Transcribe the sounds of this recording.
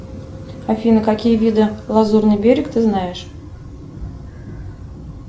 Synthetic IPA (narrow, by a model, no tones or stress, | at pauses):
afʲinəkakʲijəvʲid̪ɨlˠazurnɨjbʲeɾʲɪkt̪ɨznajɪʂ